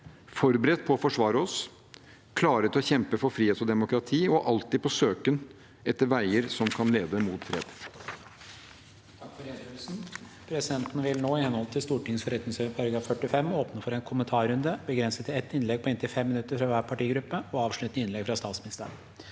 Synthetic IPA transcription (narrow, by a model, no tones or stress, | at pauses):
fɔɾbəɾɛt̪̚ːpʰɔɔfɔʂʋɑːɾəɔs | kʰlɑːɾət̪ʰɪlɔçɛmpəfɔɾfɾiːeːt̪ɔd̪ɛmʊkɾɑt̪ʰiːɔʔɑlt̪ɪd̪̚pʰɔsøːkən | ʔɛt̪ːəɾʋæɪəɾsɔmkʰɑnleːd̪əmuːt̪fɾḛːd̪ | t̪ʰɑkfɔɾeːʉlsn̩ | pʰɾɛsɪd̪ɛnt̪n̩ʋɪlnoːɪhɛnhɔlt̪ʰɪlst̪uːʈɪŋsfɔɾɛt̪nɪŋsøpʰɑɾɡɾɑfœʈːɪfɛmːoːpnəfɔɾɛnkʰʊmənt̪ʰɑːɾʉnd̪əbəɡɾɛnsət̪ɪɛt̪ːɪnlɛɡ̚pʰɔeːnt̪ɪlfɛmːɪnʉt̪ːəɾfɾɑʋæːɾpʰɑʈiːɡɾʉpːəɔɑːʋʂɭʉt̪nəɪnlɛɡfɾɑst̪ɑːt̪smɪnɪst̪əɾəɳ